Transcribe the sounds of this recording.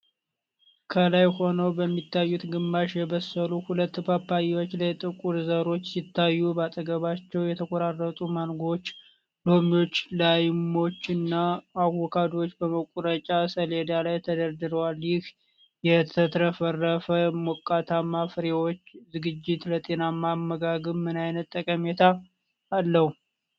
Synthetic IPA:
kʰəlajho̞nəwbəmːit̪ːajːut̪ɡɨmːaʃjɛβəsːəluhulət̪ːbapːajiwo̞t͡ʃːlajt̪ʼɨkʼuɾzəɾo̞t͡ʃːsit̪ːajːubat̪ʼəɡəβat͡ʃːɛwjɛt̪ʰəkʷʼoɾarːət̪ʼumanɡo̞t͡ʃː | lo̞mio̞t͡ʃːlajmːo̞t͡ʃːɨnːaːwɔkʰad̪ot͡ʃːbəməkʷʼuɾət͡ʃʼasəle̞d̪alajt̪ʰəd̪əɾd̪ɨɾəwaljɪh | jɛt̪ʰət̪ʰɾəfərːəfəmokʼːat̪ʰamːafɾewo̞t͡ʃːzɨɡɨd͡ʒːɪt̪lət̪ʼe̞namamːəɡaɡɨmmɨnajnət̪ːəkʼəmet̪ʰaː | lːəhu

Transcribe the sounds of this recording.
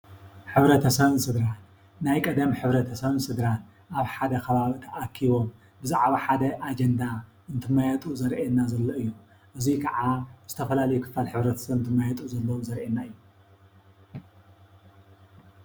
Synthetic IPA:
ħɨβɾɐt̪ʰɐsɐβɨnsɨɡ̪ɾal | najkʼɐd̪ɐmħɨβɾɐt̪ʰɐsɐβɨnsɨɡ̪ɾal | ʔaβħad̪ɐkʰɐβaβt̪ʰɐʔakʰːiβo̞m | bɨzaʕβaħad̪ɐʔad͡ʒɐnd̪a | ɨnt̪ʰɨmajɛt̪ʼuzɐɾʔenːazɐlːoɨjːu | ʔɨzikʰɐʕazɨt̪ʰɐfɐlalɐjukʰɨ̥falħɨβɾɐt̪ʰɐ̥sɐβɨnt̪ʰɨmːajɛt̪ʼuzɐlːɐwomzɐɾʔenːaɨjːu

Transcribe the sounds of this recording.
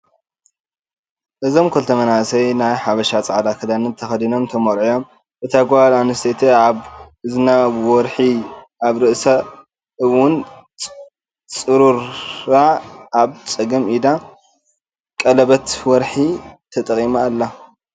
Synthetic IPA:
ʔɨzo̞mkʰɐlt̪ʰɐmɐnasɐjnajħaβɐʃat͡sʼʕd̪akʰɐd̪anɨt̪ʰɐxɐd̪ino̞mt̪ʰɐmoɾʕijo̞m | ʔɨt̪ʰaɡwalanɨst̪ʰet̪ʰeaβɨzɨnawɔɾħi | aβɾɨʔsa | ɨwʊn | t͡sʼɨɾuɾaaβt͡sʼɐɡɐmid̪a | kʼɐlɐβɐt̪wɔɾħit̪ʰɐt̪ʼɐkʼimaːlːa

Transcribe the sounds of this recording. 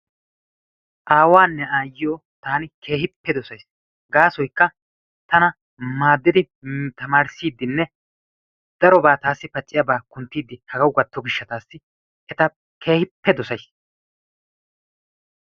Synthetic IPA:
ʔaːwaːnːɛaːjɪjoː | t̪aːnɪkʰe̞ːhɪpːɛd̪ɔsɐjs | ɡaːsɔjkːɐ | t̪ɐnɐ | maːd̪ːɪd̪ɪ | t̪ɐmaːɾsiːd̪ːɪnːɛ | d̪̥ɐɾɔbaːt̪aːsːɪpɐt͡ʃʼːɪjɐbaːkʊnt̪ːiːd̪ːɪhɐɡɐwɡɐt̪ːɔɡɪʃːɐt̪aːsːɪ | ʔɛt̪ɐ | kʰe̞ːhɪpːɛd̪ɔsɐjs

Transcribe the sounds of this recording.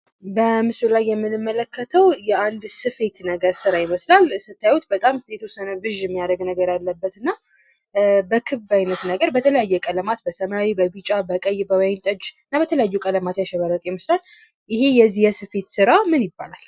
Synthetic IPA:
bəmɨsɨllajːɛmːɨnɨmːələkʰːət̪ʰəwjɛand̪sɨfe̞t̪nəɡəɾsɨɾajɪməslalsɨt̪ʰːajut̪bət̪ʼamjet̪ʰəwosːənəbɨʒɛmːijad̪əɡnəɡəɾjalːəbːət̪ɨnːa | bəkʰɨβbajnət̪nəɡəɾbət̪ʰələjajːɛkʼələmat̪bəsəmaawibəbɨt͡ʃʼabəkʼəjbəwajɪnt̪ʼəd͡ʒɨɨnːabət̪ʰələjajːukʼələmat̪jaʃɛβəɾəkʼjɪməslal | ʔɪɦejɛzijɛsɨfe̞t̪sɨɾamɨnjɪbːa̰lal

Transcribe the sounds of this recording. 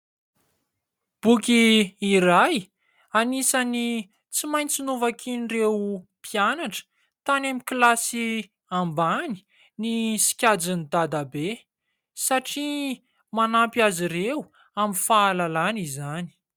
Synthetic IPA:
b̥ukiiɾaj | anisani | t͡simaj̃nt͡sinuvakʰinirewpianaʈ͡ʂə̥ | t̪anamiklasi | ambani̥ | nisi̥kʲad͡zinid̪ad̪abe | saʈ͡ʂi | manampiaziɾew | amifaːlalanizani̥

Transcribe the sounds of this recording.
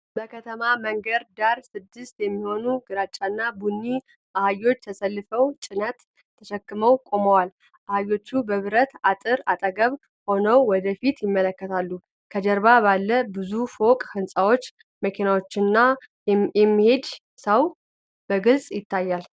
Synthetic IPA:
bəkʰət̪ʰəmaməŋɡəɾd̪aɾsɨd̪ːɨst̪jɛmːiho̞nuɡɨɾat͡ʃʼːanːabunːi | ʔahajo̞t͡ʃːt̪ʰəsəlːɨfəwt͡ʃʼɪnət̪ | t̪ʰːəʃɛkːɨməwkʼo̞məwal | ʔahajːo̞t͡ʃːubəβɨɾət̪at̪ʼɨɾat̪ʼəɡəβ | ho̞nəwːɔd̪əfit̪jɪmːələkːət̪ʰalːu | kʰəd͡ʒəɾbabalːəbɨzufokʼhɨnsʼawo̞t͡ʃː | məkʰinawot͡ʃːɪnːa | ɛmːihe̞d̪ | səw | b̥əɡɨlsʼjɪt̪ʰːajːal

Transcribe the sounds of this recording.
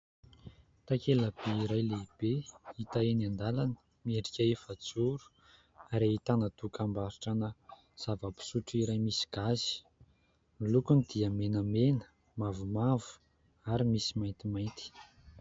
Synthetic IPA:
t̪akelab̥eiɾajleib̥eit̪aenand̪alanə̥ | mieɖ͡ʐikʲaefat͡suɾu̥ | aɾeit̪anat̪ukambaɾiʈ͡ʂanə | z̥avəbi̥suʈ͡ʂiɾajmisi̥ɡ̥azi̥ | milukunid̪̥iəmenəmenə̥ | mavumavu̥ | aɾimisimajnt̪imajnt̪i̥

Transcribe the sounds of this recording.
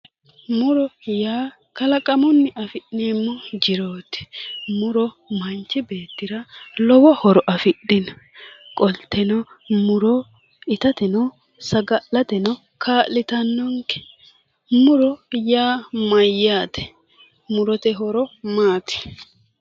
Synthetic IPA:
mʊɾɔjaː | kɐlɐkʼɐmʊnːɪʔɐfɪɗneːmːɔd͡ʒɪɾo̞ːt̪ɪ̥mʊɾɔ | mɐnt͡ʃːɪbe̞ːt̪ːɪɾɐlɔwɔhɔɾɔʔɐfɪɗːɪnɔkʼɔlt̪ːɛnɔ | mʊɾɔ | ɪt̪ɐt̪ɛnɔ | sɐɡɐlːɐt̪ɛnɔ | kʰaːlːɪt̪ɐnːɔŋkɛ̥ | mʊɾɔjaːmɐjːaːt̪ɛ̥ | mʊɾɔt̪ɛɦɔɾɔmaːt̪ɛ̥

